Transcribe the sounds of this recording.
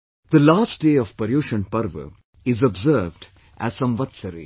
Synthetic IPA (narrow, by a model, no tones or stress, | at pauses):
d̪̥əlaːsʈ̚ɖeːɔʋpəɾjuːʃə̃npɐɾʋə̰ | ɪzɔbzəɾʋɖ | ʔæ̰z̥sʌ̃mʋɐt̪səɾḭ